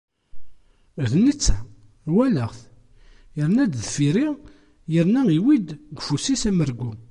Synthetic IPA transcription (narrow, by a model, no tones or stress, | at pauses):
ðnit͡sːæ | wæləʁθ | jəɾnæd̪ðfiɾi | jəɾnæiwid̪ɡʷfusisæməɾɡu